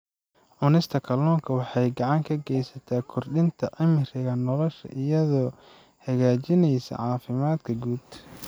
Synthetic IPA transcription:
ʕʊnɪst̪ʰɐkʰɐlɔːŋkʰɐwɑħɑjɡɑʕɑŋkʰɐɡɛjsɐt̪ʰaːkʰɔrɖɪnt̪ʰɐʕɪmɪrɪɣɐnɔlɔʃɐ̰ʔɪjɐðɔː | hɐɣaːt͡ʃɪnɛjsɐ̰ʕɑːfɪmaːd̪kʰɐɡuːd̪̥

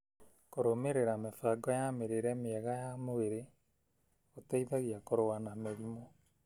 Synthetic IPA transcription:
koɾomeɾeɾamefaːɡɔjameɾeɾɛmeɛɣajamoeɾe | otaiðaɣiakoɾowanameɾimo

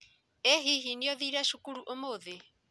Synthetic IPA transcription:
eɦiɦiniɔðiɾaʃukuɾuʔomoðe

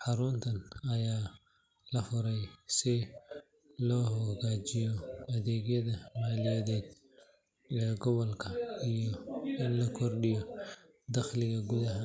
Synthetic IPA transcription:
ħɑɾʊnt̪ʰɐnɐjaː | lɐfʊɾɛjsɪ | lɔːhɔɣaːt͡ʃɪjɔɐðɛːɡjɐðɐmaːlɪjɐðɛːd̪̚ | ɛːɡɔβɔlkʰɐijɔɪnlɐkʰɔrɖɪjɔ | d̪ɐχlɪɣɐɡʊðɐɦɐ

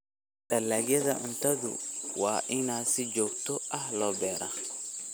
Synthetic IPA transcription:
d̪̥ɐlːaːɡjɐðɐʔʊnt̪ʰɐðʊ̰wɑːʔɪnaːsɪd͡ʒɔːɡ̚t̪ʰɔʔɐhlɔːbɛːɾa

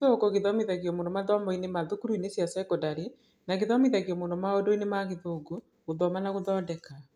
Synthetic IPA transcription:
okoɣeðɔmiðaɣeɔmoːndomaðɔmɔinemaðokuɾuinesjasɛkodaɾi | naɣeðɔmiðaɣjɔmoːndɔmaodoinemaɣeðoːɡo | ɣoðɔmanaɣoðɔːdɛka

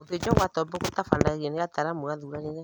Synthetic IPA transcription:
oted͡ʒɔɣwatɔmbɛkotafandaɣeneɣataɾamoɣaðuɾaneɣɛ

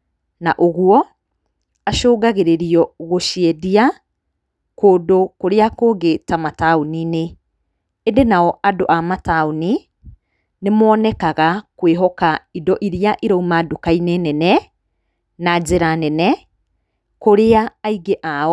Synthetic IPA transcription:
naʔoɣwɔ | aʃoːɡaɣeɾeɾiɔɣoʃiɛdia | koːdokoɾeakoɡetamataonineː | ndenaɔʔadoʔamataoni | nemɔnɛkaɣakweɦɔkaidɔʔiɾiaʔiɾɔumadokainenɛnɛ | nad͡ʑeɾanɛnɛ | koɾeaːiɡeʔaɔ

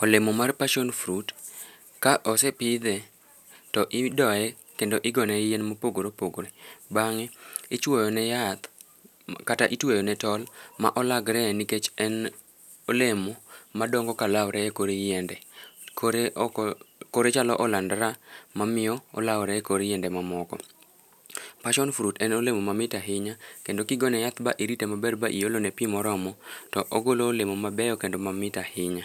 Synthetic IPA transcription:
olemomarpaʃonfɾut | kaʔɔsɛpɪd̪ɛ | tɔʔɪdɔɛ | kendoʔɪɡɔnɛjenmopoɡoɾopoɡoɾebaŋɛɪt͡ʃwɔjɔnɛjat̪ | kata̰ʔitwojɔnɛtɔlma̰ʔɔlaɡɾɛniket͡ʃɛn | olemomadɔŋɡɔkalawɾʔɛɛkoɾejɛndɛkoɾe | koɾet͡ʃalɔʔɔlandɾamamɪjɔɔ̰lawɾɛɛkoɾejɛndɛmamɔkɔ̰ | paʃɔnfuɾutɛnolemomamɪtaɦɪɲakendokɪɡɔnɛjat̪ba̰ʔiɾitemabɛdbaʔḭjolonɛpimɔɾɔmɔtɔʔoɡoloːlemomabɛjɔkendomamɪtahɪɲa

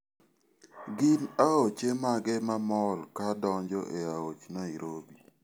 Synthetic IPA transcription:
ɡɪnaot͡ʃemaɡɛmamɔlkadɔɲd͡ʒɔ̰ʔeaot͡ʃnɔiɾobi

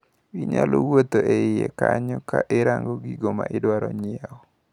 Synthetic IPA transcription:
wiɲalɔwot̪oʔeɪjekaɲɔkaʔɪɾaŋɡɔɡiɡomaʔɪdwaɾɔɲɪaɔ

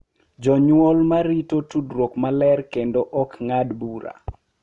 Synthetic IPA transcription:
d͡ʒɔɲwɔlmaɾitotudɾokmalɛrkendoʔɔkŋadbuɾa̰

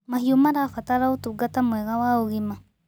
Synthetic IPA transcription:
mahiomaɾafataɾaotuɡatamwɛɣawaoɣima

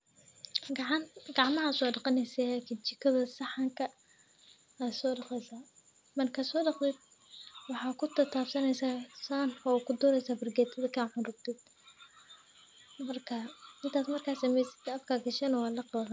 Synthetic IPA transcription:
ɡʕɡɑʕmɐɦɐsɔːɖɑqɑnɛsɛakʰɪt͡ʃɪkʰɐðɐsɑħɑŋkʰɐ | asɔːɖɑqɛjsaː | mɐrkʰɐsɔːɖɑqt̪ʰɛd̪̚ | wɑħɑːkʰʊt̪ʰɐt̪ʰaːbsɐnɛjsaːsaːnɔkʰʊd̪ɔːɾɛjsaːbɐrɡɛːt̪ʰɐðɐkʰaːʕʊnrʊɡ̚t̪ʰɛd̪̚ | mɐrkʰɐɪnt̪ʰaːsmɐrkʰaːsɐmɛjsɪ̥d̪ɐfkʰaːɡɐʃɛnɐwɑːlɐqɑɣɐ

